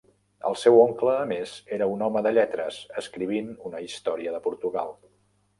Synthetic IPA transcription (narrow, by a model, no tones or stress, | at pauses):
ə̰lˠsɛwoŋkləːmezeɾəunɔməðəʎɛt̪ɾəz̥əskɾiβinunəist̪ɔɾiəðəpuɾt̪uɣa̰lˠ